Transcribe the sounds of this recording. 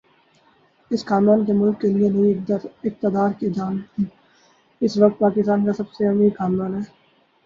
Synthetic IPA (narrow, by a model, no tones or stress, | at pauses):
ɪskaːmd̪aːnkemʊlkːelienɐɦĩɪk̚t̪ɪd̪aːɾkid͡ʒaːnː | ɪsʋɐk̚t̪̚paːkɪst̪aːnkasɐbseɐmikaːnd̪aːnɦɛː